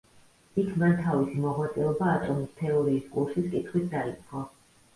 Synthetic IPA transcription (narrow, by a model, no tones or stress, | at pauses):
ikʰmant̪ʰavisimɔʁwat̪sʼɛɔbaːt̪ʼɔmist̪ʰɛɔɾiːskʼulˠʃiskʼit̪ʰχwit̪ʰd̪ait̪sʼqʼɔ